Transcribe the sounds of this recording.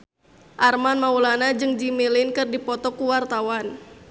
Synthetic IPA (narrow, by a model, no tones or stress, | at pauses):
ʔarmanmaulanad͡ʒɨŋd͡ʒimilɪnkɨrdipɔt̪ɔkuwart̪awan